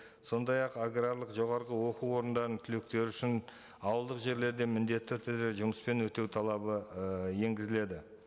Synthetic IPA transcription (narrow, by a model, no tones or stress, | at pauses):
so̞nd̪ɑjɑqaɡraɾlˠəqʒo̞ʁɑɾʁəwo̞quwo̞ɾənd̪ɑɾənt̪ʰʏlek̚t̪e̞ɾʏʃɪn | ɑwəlˠd̪əqʒe̞ɾle̞ɾd̪e̞mɪnd̪e̞t̪ːɪɵɾt̪ʰed̪e̞ʒʊməspe̞nwɵt̪e̞wt̪ʰɑlˠɑbəje̞ŋɡʲɪzɪle̞d̪ɪ